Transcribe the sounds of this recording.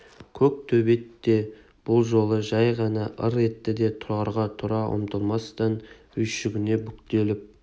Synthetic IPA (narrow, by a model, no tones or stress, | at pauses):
kʲʰɵk̚t̪ʰɵbe̞t̪ːe̞ | b̥ʊlˠʒo̞lˠəʒɑjʁɑnɑʔəɾe̞t̪ːɪd̪e̞t̪ʰʊɾɑɾʁɑt̪ʰʊɾɑʔʊ̰mt̪əlˠmɑst̪ɑn | ʏjʃɪɡʲɪne̞bʏkt̪e̞lɪp̚